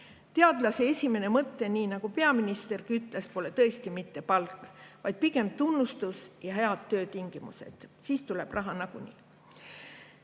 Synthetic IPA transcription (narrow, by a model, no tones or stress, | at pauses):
t̪e̞ɑd̪̥lɑseesʲime̞ne̞mɤt̪ːe̞niːnɑɡ̥upe̞ɑminist̪e̞rkyt̪ːˑlespo̞le̞t̪ɤ̞est̪imit̪ːe̞pɑlkːˑvɑjd̪̥̚pike̞mt̪unːust̪usjɑɦe̞ɑd̪̥̚t̪ːø̞ːt̪iŋɡ̥imṵse̞̰d̪̥siːst̪ule̞b̥rʔɑɦɑnɑɡ̥unʲḭː